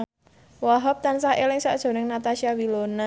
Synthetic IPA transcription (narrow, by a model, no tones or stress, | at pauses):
wɔɦɔp̚t̪ansahelɪŋsa̰ʔd̥ʒ̥o̤nɪŋnat̪aʃiawilona